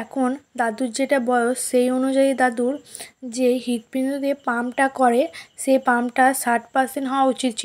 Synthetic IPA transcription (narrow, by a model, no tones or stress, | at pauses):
ɛkʰond̪ad̪uɾd͡ʑeʈabɔjoʃejonud͡ʑaid̪ad̪uɾd͡ʑeɦit̪̚pɾind̪ʱud̪epamʈakɔɾeʃejpamʈasaɾʈpaɾsenɳʈɦɔoaut͡ɕit̪̚t͡ɕʰilo